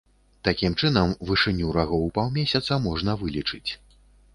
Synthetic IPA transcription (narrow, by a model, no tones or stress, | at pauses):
t̪akʲimt͡ʂɨn̪ɐmvɨʂɨnʲːuɾaɣɔwpawmʲesʲɐt̪sɐmɔʐnɐvɨlʲit͡ʂɨt͡sʲ